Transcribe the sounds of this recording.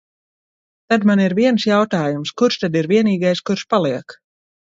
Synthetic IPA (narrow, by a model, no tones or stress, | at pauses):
t̪ad̪maniɾviɛnsjawt̪aːjumskuɾʃt̪ad̪iɾviɛniːɡajskuɾʃpalˠiɛk